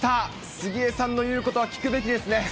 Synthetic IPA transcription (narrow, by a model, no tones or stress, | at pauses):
t̪a | sɨɡʲiesãnːo̞jɯ̟ːko̞t̪o̞βakʲi̥kɯ̟be̞k̬ʲid̪e̞sɨne̞